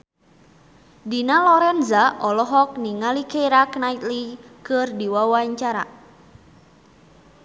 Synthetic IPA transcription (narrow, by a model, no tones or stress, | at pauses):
dinalɔɾɛnzaʔɔlɔɦɔk̚niŋalikeɾaknait̪likɨrdiwawaɲt͡ʃaɾa̰